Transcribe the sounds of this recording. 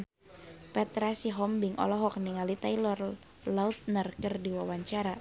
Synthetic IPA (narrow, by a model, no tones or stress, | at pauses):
pɛt̪ɾasiɦɔmbiŋʔɔ̰lɔɦɔk̚niŋalit̪ailɔr | laut̪̚nərkərdiwawaɲt͡ʃaɾa